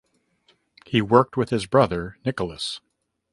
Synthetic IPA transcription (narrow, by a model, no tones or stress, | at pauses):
hiwɜ˞k̚t̚wɨð̥ɨzbɹʌðə˞nɪkl̩ˠəs